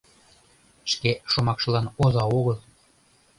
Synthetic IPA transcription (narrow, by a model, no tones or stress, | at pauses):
ʃkeʃomɑkʃɤ̆lɑnozɑoɣɤlˠ